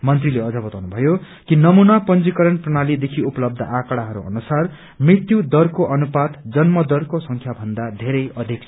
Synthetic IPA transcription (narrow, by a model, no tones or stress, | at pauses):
mʌnt̪rileʌd͡zʌbʌt̪awnubʱʌjo | kinʌmunapʌnd͡zikʌɾʌnprʌñalid̪ekʰiupʌlʌb̚d̪ʱʌ̰ʔakʌɽaɦʌɾṵʌ̰nusar | mrit̪ːjud̪ʌrkoʔʌnupat̪d͡zʌnmʌd̪ʌrkosʌŋkʰjabʱʌnd̪ad̪ʱeɾʌjʌd̪ʱikt͡sʰ